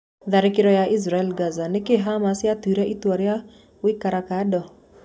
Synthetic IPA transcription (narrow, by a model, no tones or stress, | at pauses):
ðaɾikiɾɔjaʔis̬ɾaɛlɡazanikɪɦamasiatiɾɛʔituaɾja | wikaɾakaɗɔ